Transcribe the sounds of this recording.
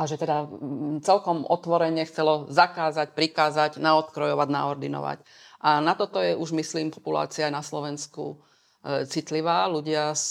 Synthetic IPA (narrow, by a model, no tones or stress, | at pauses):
ʔaʒɛt̪ɛd̪at͡sɛlkɔmʔɔt̪ʋɔɾɛɲɛxt͡sɛlɔzakaːzacpɾikaːzaɟnaɔt̪kɾɔjɔʋaɟnaɔɾd̪inɔ̰ʋa̰c | ʔanat̪ɔt̪ɔjɛʔuʒmisliːmpɔpula̰ːt͡siajnaslɔʋɛnskṵ | t͡sit̪liʋaːluɟɪa